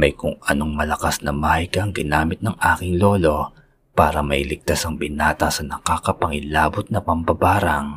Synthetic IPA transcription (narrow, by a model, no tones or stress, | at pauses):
mɐjkʊŋɐnoŋmɐlɐkasnɐmaːhɐjkɐɐŋɡɪnaːmɪt̪̚nɐŋʔaːkɪŋlo̞ːlo̞ | paːɾɐmɐʔɪlɪɡ̚t̪asɐŋbɪnaːt̪ɐsɐnɐkaːkɐpɐŋɪlaːbot̪̚nɐpɐmbɐbaːɾɐŋ